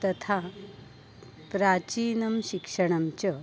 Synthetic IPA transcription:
t̪ɐt̪ʰa | pɾat͡ɕiːnɐmɕikʂəɳ̃ɐmt͡ɕə

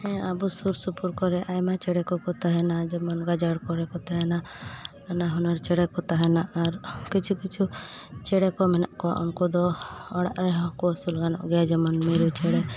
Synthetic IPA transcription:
hɛ̃abusuɾsupuɾkɔɾɛʔajmat͡ʃɛɽɛkɔkɔt̪aɦɛnad͡ʒɛmɔnɡad͡ʒaɽkɔɾɛkɔt̪aɦɛna | anaɦɔnaɾt͡ʃɛɽɛkɔt̪aɦɛnaʔaɾkit͡ʃʰukit͡ʃʰu | t͡ʃɛɽɛkɔmɛna̰ʔkɔwa̰ʔɔnkɔd̪ɔɔɽa̰ʔɾɛɦɔkɔsulɡanɔ̰ʔɡɛjad͡ʒɛmɔnmiɾut͡ʃɛɽɛ

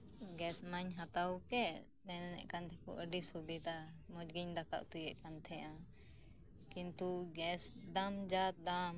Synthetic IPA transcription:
ɡɛsmaɲɦat̪awkɛ | nɛnɛnɛ̰ʔkant̪ʰɛkɔ̰ʔəɖisubid̪amɔd͡ʒɡiɲd̪akʰa̰ʔt̪ujɛʔkant̪ʰɛjã | kint̪uɡɛsd̪amd͡ʒat̪̚d̪am

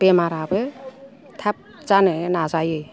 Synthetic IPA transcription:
b̥emaɾabɯ | t̪ʰap̚zanɯnazajɯ

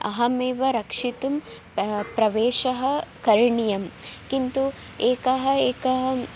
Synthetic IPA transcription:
ɐ̰ɦɐmeːʋɐɾɐkʂit̪um | pɾɐʋeːʃɐɦɐ̆kɐɾɳijɐmkint̪u | eːkɐɦɐeːkɐɦɐ

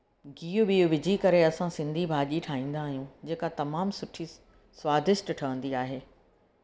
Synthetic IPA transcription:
ɡiːʊɓiːuʋɪd͡ʑʱikɐɾeɐsãsɪ̃nd̪ʱibʱaːʄiʈʰaːɦĩːn̆d̪aːɦijũd͡ʑeːkat̪ɐmaːmsʊʈʰi | swaːd̪ʱɪʃʈʈʰɐʋə̃n̆d̪iaːɦeː

